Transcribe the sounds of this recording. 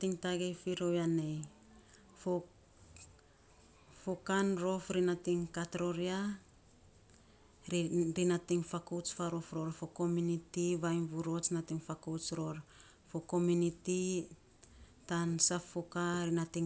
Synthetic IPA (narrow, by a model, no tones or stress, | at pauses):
tiŋtaɡejfiɾojanej | fo | fokanɾo̞fɾinatiŋkatɾo̞ɾia | ɾinatiŋfakowt͡ʃfaɾo̞fɾo̞ɾafo̞ko̞munitiβajnbuɾo̞t͡ʃnatiŋfakowt͡ʃɾo̞ɾ | foko̞muniti | tansafokaɾinatiŋ